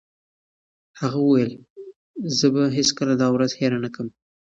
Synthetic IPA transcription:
haɣawəwajəl | zəbaɦeskəlad̪ɑwɾazheɾanakəm

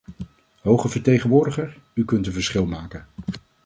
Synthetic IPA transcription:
ɦowχəvəɹtejχənʋʊːɹdəχəɹ | ykɵntənvəɹsχɪlˠmaːkən

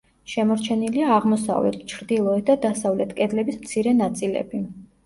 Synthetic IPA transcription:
ʃɛmɔɾt͡ʃʰɛniliaːʁmɔsa̰vlɛ̰t̪ʰt͡ʃʰɾd̪ilˠɔɛt̪̚ʰd̪ad̪asavlɛt̪ʰkʼɛd̪lɛbismt̪sʰiɾɛnat̪sʼilɛ̰bi

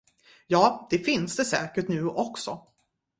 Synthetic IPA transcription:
jɑːd̪̥ɛfɪnsd̪ɛsɛ̰ːkəʈnʉ̟ːʔɔksɔ

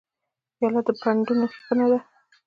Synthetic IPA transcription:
jɑlat̪d̪əpʰaɳɖunoxkənad̪a

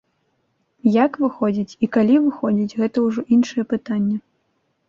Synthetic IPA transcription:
jakvɨxɔd͡zʲit͡sʲikalʲivɨxɔd͡zʲit͡sʲɣɛt̪ɐwʐɔʔinʂɨjɛpɨt̪anʲːɛ

